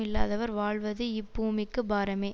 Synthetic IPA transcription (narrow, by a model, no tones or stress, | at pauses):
ɪlːa̰ːðɐʋɐɾʋaːɭʋɐðɯɪbːuːmɪkːɯbaːɾɐmeː